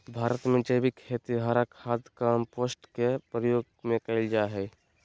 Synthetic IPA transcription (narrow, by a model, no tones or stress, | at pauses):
bʱaːɾət̪mẽd͡ʒəjbikʰːet̪iɦaːɾakʰaːd̪kampoːsʈkepɾəjoːɡ | mẽkəɪld͡ʒaɦɛː